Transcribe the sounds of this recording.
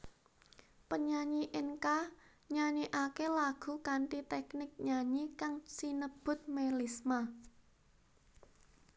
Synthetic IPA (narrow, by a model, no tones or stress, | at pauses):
pəɲaɲiʔɪnka | ɲaɲiʔakelaɡ̥ṳkaɳʈit̪ɛknɪk̚ɲaɲikaŋsinəb̥ʊ̤t̪̚melisma